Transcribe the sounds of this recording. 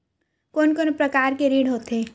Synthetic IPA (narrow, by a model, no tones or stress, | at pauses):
koːnkoːnpɾəkaːɾkeɾiːɖɦoːt̪ẽ